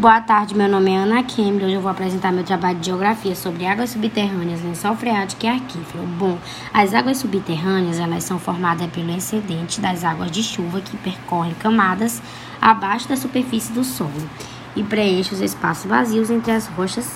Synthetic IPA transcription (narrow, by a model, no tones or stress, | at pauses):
boɐt̪aɾd͡ʒɪmewnõmɪɛɐ̃nakʰẽmlowʒewvowapɾɛzẽnt̪aɾmewt̪ɾabaʎʊd̪ɪd͡ʒioɡɾafiɐsobɾɪaɡwɐsːubit̪ɛɦɐ̃niɐznʊsawfɾeat͡ʃi̥kiaɾkiflobõ | ɐzaɡwɐssːubit̪eɦɐ̃niɐzɛlɐsɐ̃w̃foɾmad̪ɐspelʊẽsẽd̪ẽnt͡ʃɪd̪ɐzaɡwɐzd͡ʒɪʃuvɐkʰɪpeɾkɔɦẽj̃kɐ̃mad̪ɐs | a̰bajʃʊd̪ɐsupeɾfisɪd̪ʊsɔlʊ | ɪpɾeeʃʊzespasʊzba̰ziwzẽnt̪ɾɪɐshoʃɐs